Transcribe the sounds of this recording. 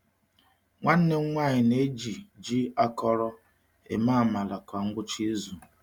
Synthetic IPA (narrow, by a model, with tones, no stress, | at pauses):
ŋʷa˦n̩˦ne˦ŋ̩˦ŋʷa˦˨ɲɪ˨ne˦d͡ʒi˨d͡ʒi˦a˦kɔ˦ɾɔ˦ | ḛ˨ma˦˨ma˨la˨kʷa˨ŋ̩˦ɡʊ˦t͡ʃi˦zu˨